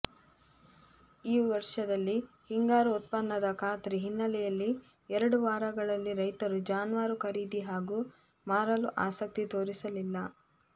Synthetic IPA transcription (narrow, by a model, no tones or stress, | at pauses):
iːʋɐɾʂɐd̪ɐlːi | hiŋɡaːɾuut̪̚pɐnːɐd̪ɐkʰaːt̪ɾiɦinːɐlɛjɐlːi | ɛɾɐɽuʋaːɾɐɡɐɭɐlːiɾɐjt̪ɐɾud͡ʒaːnʋaːɾukʰɐɾiːd̪iɦaːɡuː | maːɾɐluʔaːsɐk̚t̪it̪oːɾisɐlilːɐ